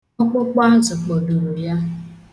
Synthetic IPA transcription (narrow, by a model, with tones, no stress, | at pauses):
ɔ˦k͡pʊ˦k͡pa˦a˦zʊ˨k͡po˨du˨ɾu˨ja˦